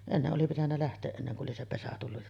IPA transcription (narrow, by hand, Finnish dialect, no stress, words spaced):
enːeʔ ʔoli pitænːæ læhtˑeːʔ ʔenːeŋ kuʔ ʔoli se pesæ tulːu